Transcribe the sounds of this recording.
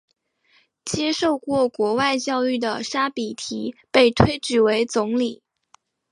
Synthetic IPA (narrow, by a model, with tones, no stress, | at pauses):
t͡ɕjɛ˥ʂo˥˧ʊkwɔ˥˩kwɔ˧˥wa˥˧ɪt͡ɕjɑ˥˧ʊy˥˩d̪ə˩ʂa˥pi˨˩t̪ʰi˧˥pe˥˩ɪt̪ʰwe˥ɪʈ͡ʂɻ̩˨˩we˧˥ɪt͡sʊ˧˥ŋli˨˩˦